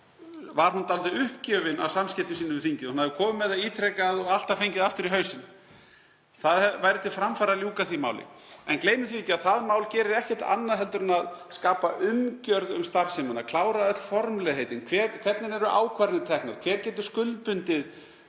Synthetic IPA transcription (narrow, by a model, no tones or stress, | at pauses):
vaɾ̥hunt̪alt̪ʏʏhpcɛːvɪna̰vsamscɛt̪ɪsiːnʏmvɪθiɲcɪðhunhaðɪʏkʰɔːmʏmɛðaiːt̪ʰɾɛkaðɔɣal̥t̪afejɲcɪðaft̪ɪɾiɦœːɥsɪn | θaðɛvajɾɪt̪ʰɪlfɾamfaɾaljuːkaθvimaːwlɪ̰ɛnkleːjmʏθiiːt̪ːaðθaðmaːwlcɛːɾɪɾɛhcɛ̥t̪a̰nːaðɦɛlt̪ʏɾnaðskaːpaʔʏmcœɾðʏ̰mst̪aɾ̥semʏnakʰlaːwɾaðœt̪l̥fɔɾmlɛɣɦejt̪ɪnkʰvɛɾkʰvɛt̪nɪɾɛɾʏʔa̰ːwkʰvaɾnɪt̪ʰɛknaɾkʰvɛːɾcɛːt̪̬ʏ̥skʏlpʏnt̪ɪð